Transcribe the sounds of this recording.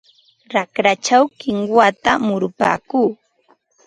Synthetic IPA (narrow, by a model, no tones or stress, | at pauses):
ɾakɾat͡ʃawkɪŋwat̪amʊɾʊpa̰ːkuː